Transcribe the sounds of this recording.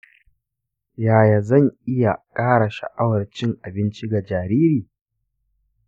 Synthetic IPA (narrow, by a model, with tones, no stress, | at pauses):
jaː˨ja˨zɐ˦˨ŋʔɪ˦ja˨kʼaː˦ɽa˨ʃa̰˨ʔa˦wɐ˨rt͡ʃɪ˦ŋʔa˨bɪ˦nt͡ʃi˦ɡa˨d͡ʒaː˨ɾiː˦ɾiː˨